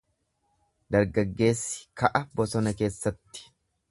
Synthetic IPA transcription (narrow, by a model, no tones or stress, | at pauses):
d̪ɐɾɡɐɡːe̞ːsːɪ̥kɐʔɐbɔsɔnɐke̞ːsːɐt̪ːɪ̥